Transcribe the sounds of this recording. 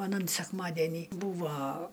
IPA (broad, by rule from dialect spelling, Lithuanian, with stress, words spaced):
ɐˈnɐn sʲɛkˈmɑːdʲɛnʲiː ˈbuːʋɐ